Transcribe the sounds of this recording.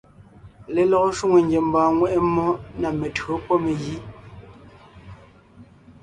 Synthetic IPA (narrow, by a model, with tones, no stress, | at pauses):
le˨lɔ˨ko˦ʃu˦ŋe˨ŋ˦ɡje˨m̩˨bãː˨ŋwɛ˦ʔɛ˦mːɔ˦na˨me˨tɰo˨˦pwɔ˦me˨ɣi˦